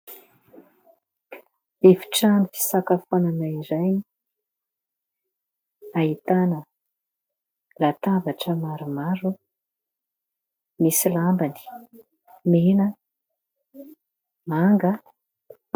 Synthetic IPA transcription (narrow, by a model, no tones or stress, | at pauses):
efi̥ʈ͡ʂanifi̥sakafonanaiɾaj | ait̪anə | lat̪avaʈ͡ʂəmaɾumaɾu | misilambani̥ | menə | maŋɡə